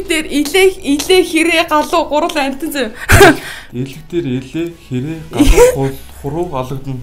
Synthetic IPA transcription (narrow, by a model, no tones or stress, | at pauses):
t̪eːriɮeːxiɮeːxeɾeːɢaɮʊːɢʊɾə̆ɮæn̥ʲt̪ɘ̆nt͡se | eɮɘ̆kt̪eːɾeɮeːxeɾeːɢaɮχʊɾʊːɢaɮə̆kt̪ə̆n